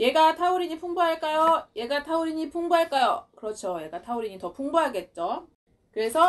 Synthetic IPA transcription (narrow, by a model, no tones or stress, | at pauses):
je̞ɡatʰauɾiɲipʰuŋbuɦaɭk͈ajoje̞ɡatʰauɾiɲipʰuŋbuɦaɭk͈ajokɯɾʌt͡ɕʰoje̞ɡatʰauɾiɲitʌpʰuŋbuɦaɡe̞t̚t͡ɕ͈o | kɯɾe̞sʰʌ